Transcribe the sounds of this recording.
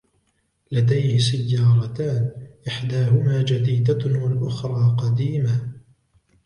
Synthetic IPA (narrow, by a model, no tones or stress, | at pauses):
lad̪ajhɪsajːɑːɾˤɑt̪aːnʔɪħd̪aːɦʊmaːd͡ʒad̪iːd̪awalʔʊxɾˤɑːqɑd̪iːma